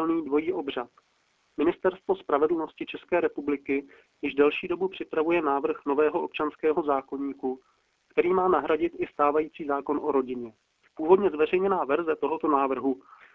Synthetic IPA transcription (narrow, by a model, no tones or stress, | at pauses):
lniːdvo̞jiːʔo̞br̝at̪ | mɪnɪst̪ɛɾst̪vo̞spɾavɛdl̩no̞scɪt͡ʃɛskɛːɾɛpublɪkɪ | jɪʒdɛlʃiːdo̞bupr̝̥ɪpɾavujɛnaːvr̩xno̞vɛːɦoʔo̞p̚t͡ʃanskɛːɦo̞zaːko̞ɲiːku | kt̪ɛɾiːmaːnaɦɾaɟɪt̪ʔɪst̪aːvajiːt͡siːzaːko̞nʔo̞ɾo̞ɟɪɲɛ | puːvo̞dɲɛzvɛrɛjɲɛnaːvɛɾzɛt̪o̞ɦo̞t̪o̞naːvr̩ɦu